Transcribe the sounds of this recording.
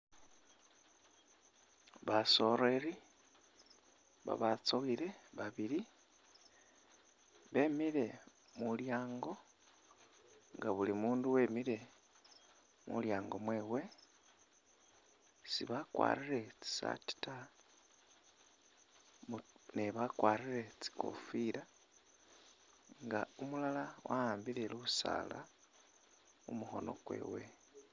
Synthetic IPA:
βaso̞ɾe̞ɾi | βa̰βat͡soiɾe̞βaβiɾi | βe̞miɾe̞ | muljaːŋɡo̞ | ŋɡaβulimuːnduwe̞ːmiɾe̞ | mṵljaːŋɡo̞mwe̞ːwe̞ | siβakwa̰ːriɾe̞t͡si̥sa̰ti̥ta | muneβakwaːriɾe̞t͡si̥ko̞̰fiɾa | ŋɡaumulalawʔahaːmbiɾeluusa̰ːla̰ | umuho̞no̞̰kwe̞̰ːwe̞

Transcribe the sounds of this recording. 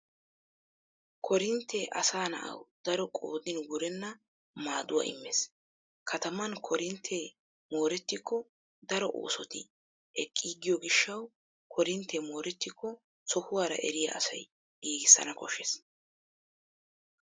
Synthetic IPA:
kʰɔɾɪnt̪ːɛʔɐsaːnɐ̰ʔɐ̰wd̪̥ɐɾɔkʼo̰ːd̪ɪnɡʊɾɛnːɐ | maːd̪ʊwa̰ːɪ̰mːes | kʰɐt̪ɐmɐnkʰɔɾɪnt̪ʰːe | mo̞ːɾɛt̪ːɪkːɔ | d̪ɐɾɔʔo̞̰ːsɔt̪ɪ | ɛkʼːiːɡɪjɔɡɪʃːɐw | kʰɔɾɪnt̪ʰːɛmoːɾɛt̪ːɪkːɔ | sɔhʊwaːɾɐ̰ʔɛɾɪjɐ̰ʔɐsɐ̰j | ɡiːɡɪsːɐ̰nɐkɔʃɛs

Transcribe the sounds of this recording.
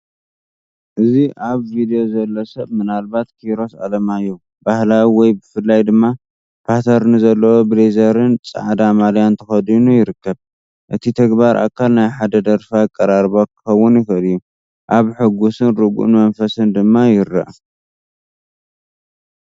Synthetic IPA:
ʔɨziʔaβvid̪ejo̞zɐlːɐsɐβmɨnalbat̪kʰiɾo̞sa̰lɐmajːu | bahlawiwɔjbɨfɨlːajd̪ɨmːa | pʰat̪ʰɐɾnɨzɐlːɐwobɨlezɐɾɨnt͡sʼa̰ʕd̪amaljant̪ʰɐxɐd̪inujɪɾɨkːɐβ | ʔɨt̪ʰit̪ʰɐɡbaɾʔa̰kʰːalnajħad̪ɐd̪ɐɾfaɨkʼːɐɾaɾbokɨ̥xɐwːʊnjɪxɨljːu | ʔaβħɨɡusɨnɾɨɡṵʔnmɐnfɐsɨnd̪ɨmːajɪɾːɐ̰ʔ

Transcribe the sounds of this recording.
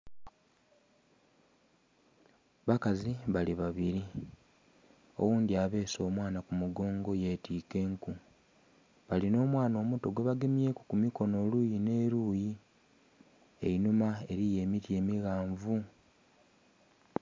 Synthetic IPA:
βakaziβaliβaβiɾi | o̞̰wuːndiaβe̞ːso̞ːmwaːnakumuɡo̞ːŋɡo̞je̞tiːke̞ːŋku | βalino̞ːmwaːno̞ːmuto̞ɡwe̞βaɡe̞mje̞ːku̥kumiko̞no̞lujine̞ːɾuːji | e̞̰inumae̞ɾije̞ːmitje̞ːmiɣaːɱvu

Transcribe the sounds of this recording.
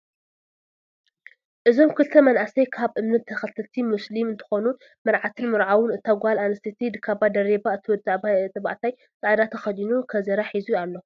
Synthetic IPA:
ʔɨzo̞mkʰɨlt̪ʰɐmɐnʔasɐjkʰaβʔɨmnɐt̪ʰːɐxɐt̪ʰɨt̪ʰimɨslimɨnt̪ʰɨ̥xo̞nu | mɨɾʕat̪ʰɨnmɨɾʕawʊnɨt̪ʰːaɡʷalanɨst̪ʰit̪ʰid̪kʰabad̪ɐɾebaɨt̪ʰɨwɔt̪ʼːaʕbat̪ʼɐβa̰ʔt̪ʰaj | t͡s̪ʼaʕd̪at̪ʰɐxɐd̪inukʰɐzɐɾaħizujalːo̞

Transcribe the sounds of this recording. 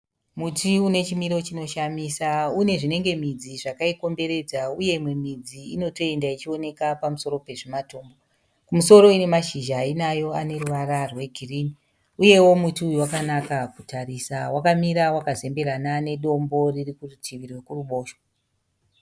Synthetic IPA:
mutʰiune̞t͡ʃimiɾo̞t͡ʃino̞ʃamisaune̞ʐine̞ŋɡe̞mid͡ziʐakaiko̞mbe̞ɾe̞d͡zauje̞imwe̞mid͡ziino̞to̞e̞ndait͡ʃio̞ne̞kapamuso̞ɾo̞pe̞ʐematoːmbo | kumuso̞ɾo̞ine̞maʃiʒaːinajo̞ane̞ruʋaɾarwe̞ɡʱiriːni | uje̞wo̞mutiujwakanakakutʰaɾisawakamiɾawakaze̞mbe̞ɾanane̞ɗo̞mbo̞ririkurutʰiʋirwekuruɓo̞ːʃwo

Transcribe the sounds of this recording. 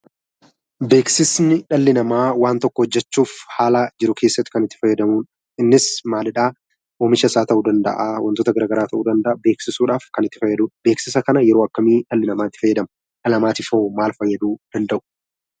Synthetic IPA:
be̞ːksɪsnɪᶑɐlːɪnɐmaːwaːnt̪ɔkːɔhɔd͡ʒːɛt͡ʃːuːfhaːlad͡ʒɪɾʊkʰe̞ːsːɐt̪ːɪ̥kɐnɪt̪ːɪfɐjːɐd̪ɐmuːn | ɪnːɪsmaːlɪᶑaː | ʔoːmɪʃɐsaːt̪ɐʔuːd̪ɐnd̪ɐ̰ʔawɐnt̪ot̪ɐɡɐɾaːɡɐɾaːt̪ɐʔuːd̪ɐnd̪ɐʔɐbe̞ːksɪsuːᶑaːfkɐnɪt̪ːɪ̥fɐjːɐd̪ube̞ːksɪsɐkɐnɐjɛɾo̞ːɐkːɐmiːᶑɐlːɪnɐmaːɪt̪ːɪ̥fɐjːɐd̪ɐmɐ | ᶑɐlɐmaːt̪ɪfomaːlfɐjːɐd̪uːd̪̥ɐnd̪ɐʔʊ̥

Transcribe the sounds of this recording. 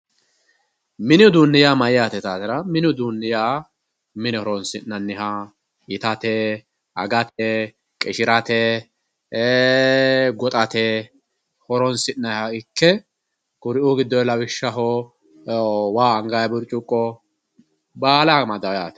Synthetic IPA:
mɪnɪʊd̪uːnːɪjaːmɐjɪjaːt̪ɛt̪aːt̪ɪɾɐmɪnɪʊd̪uːnːɪjaː | mɪnɛhɔɾɔnsɪnːɐnːɪɦɐ | ɪt̪ɐt̪ɛ | ɐ̰ɡɐt̪ɛ | kʼɪʃɪɾɐt̪ɛ | ɡɔt̪ʼɐt̪ɛ | hɔɾɔnsɪnːɐhɐɪkːɛ | kʼʊɾɪʔuɡɪd̪ːɔlɐwɪʃːɐɦɔ | waːɐŋɡajɐbʊɾt͡ʃʼːʊkʼːɔ | baːlamɐd̪ɐwjaːt̪ɛ̥

